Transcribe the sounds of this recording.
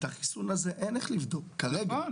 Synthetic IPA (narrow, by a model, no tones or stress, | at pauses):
taχisunazeʔeneχlivd̪o̞kːaʁeɡa